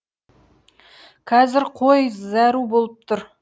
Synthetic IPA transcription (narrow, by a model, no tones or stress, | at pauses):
kʰɑzɪɾqʰojzæɾubolˠəp̚t̪ʰʊɾ